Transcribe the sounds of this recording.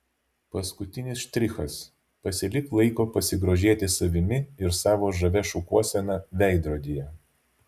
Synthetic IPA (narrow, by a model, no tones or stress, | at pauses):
pɐskʊt̪ʲɪnʲɪsʃt̪ʲɾʲɪxɐs | pɐsʲɪlʲɪklˠɐɪkoːpɐsʲɪɡɾoːʒʲeːt̪ʲɪsɐʋʲɪmʲɪɪɾsɑːʋoːʒɐʋʲɛʃukuɔsʲɛnɑʋʲɛˑɪd̪ɾoːd̪ʲijɛ